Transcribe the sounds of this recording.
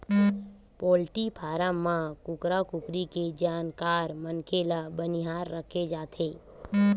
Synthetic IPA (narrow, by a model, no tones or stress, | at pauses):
poːlʈipʰaːɾamãkʊkɾakʊkɾiked͡ʒaːnkaːɾmənkʰelabənɪɦaːɾːəkʰed͡ʒaːt̪ʰeː